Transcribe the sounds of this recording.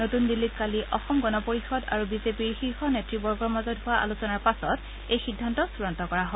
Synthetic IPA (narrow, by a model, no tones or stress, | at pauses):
notundilːit̚kaliʔɔxɔmɡɔnɔpoɹixɔda̰ɹubizepiɹxixɔnetɹibɔɹɡɔɹmazɔtɦʊwaʔa̰lusɔnaɹpasɔt | ejxidʱːantɔsuɹɔntɔkɔɹaɦɔ